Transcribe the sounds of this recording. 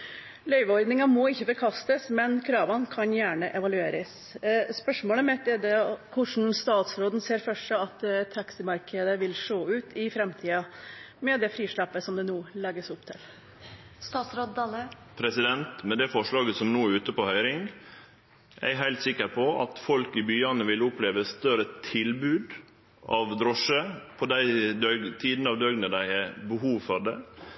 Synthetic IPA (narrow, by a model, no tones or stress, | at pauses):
lœʏʋəɔɾd̪nɪŋɑmɔɪçːəbəkʰɑst̪əsmɛnkʰɾɑːʋɑnkʰɑnjæːɳəʔɛʋɑlʉeːɾəs | spœʂmoːləmɛt̪ɛd̪ɛkʰʊʂn̩st̪ɑːt̪sɾoːd̪n̩seːɾfœʂəɑt̪t̪ʰɑksɪmɑɾkʰəd̪əʋɪlʂoːʉːt̪ʰɪfɾɛmt̪ʰiːɑ | mɛd̪ɛfɾiːʂɭɑpːəsɔmd̪ɛnuːlɛɡəsʊpt̪ʰɪl | st̪ɑːt̪sɾod̪d̪ɑlə | pʰɾɛsɪd̪ɛnt̪mɛd̪ɛfɔʂɭɑːɡəsɔmnuːʉːt̪əpɔhœʏɾɪŋ | ʔæ̰ɪɦæɪlt̪sɪkːəɾpʰɔɑ̰t̪fɔlkɪbyːɑnəʋɪlʊpleːʋəst̪œɾət̪ʰɪlbʉːd̪ | ʔɑʋd̪ɾɔʂəpʰɔd̪æɪd̪œt̪ʰiːd̪nəɑːʋd̪œɡnəd̪æɪɛbəɦuːʋfɔɾɖ̪ɛ